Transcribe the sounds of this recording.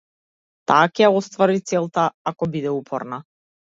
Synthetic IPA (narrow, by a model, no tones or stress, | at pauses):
t̪aːkɛaɔst̪vaɾit̪sɛlˠt̪aakɔbid̪ɛupʰɔɾna